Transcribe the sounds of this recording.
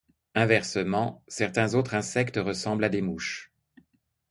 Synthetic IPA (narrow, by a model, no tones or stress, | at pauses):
ɛ̃vɛʁsəmɑ̃sɛʁt̪ɛ̃zot̪χɛ̃sɛkt̪əʁəsɑ̃blad̪emuʃ